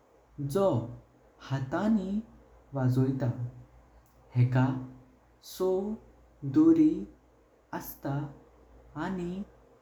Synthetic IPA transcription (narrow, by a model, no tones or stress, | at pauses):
d͡zɔ | hat̪ãni | ʋad͡zojt̪a | hɛka | sɔ | d̪oɾi | əst̪aː | ni